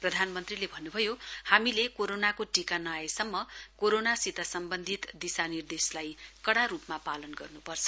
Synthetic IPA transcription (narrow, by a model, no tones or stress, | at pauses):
prʌd̪ʱanmʌnt̪rilebʱʌnːubʱʌjohamilekoɾonakoʈikanajjsʌmːʌkoɾonasit̪asʌmbʌnd̪ʱit̪d̪isanird̪eslajkʌɽaɾupmapalʌnɡʌrnupʌrt͡sʰʌ̥